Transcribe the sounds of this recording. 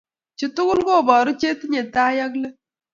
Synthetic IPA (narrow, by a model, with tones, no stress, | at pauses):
t͡ʃu˨tʊ˦kʊ˦lɡo˦˨bɔ˨ɾʊ˦t͡ʃe˦t̪ɲe˨ta˦ja˦klə˦